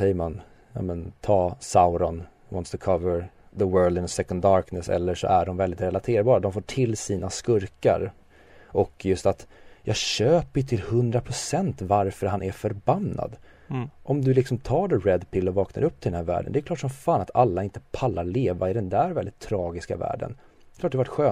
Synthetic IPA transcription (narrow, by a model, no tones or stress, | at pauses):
ɛjːəman | jɑ̰ːmɛnt̪ʰɑːsaʊɾɔn | wɑ̰nt̪st̪ʰʊkʰavəɾ | ðəwɜːld̪ɪnəsɛkɔnd̪ːɑɾknəsɛ̰lːəʂɔ̰ʔæɖɔmvɛld̪ɪt̪ɾɛlat̪ʰeːɾbɑːɾad̪ɔmfoːʈʰɪlːsiːnaskɵɾka̰ɾ | ʔɔkʰːjɵst̪at̪jɑːɡɕøːpəjɵt̪ʰɪlhɵnd̪ɾapʰɾʊsɛnt̪vaɾfœɾɦanʔæɾfœɾbanːa̰d̪ | ʔɔmd̪ɵlɪksɔmt̪ʰɑːɖɛɾɛd̪pʰɪlːɔvɑːkna̰ɾɵp̚ːt̪ʰɪlɛnæɾvæ̰ːɖə̰nd̪ɛkʰlɑːʈʂɔmfaːnat̪alːaɪnt̪ə̥pʰalːaɾɭeːvaɪd̪ɛnd̪æɾvɛld̪ɪt̪ʰːɾɑːɡɪska̰væ̰ːɖə̰n | ɛkʰlɑːʈ̚d̪ɛvaʈɧøː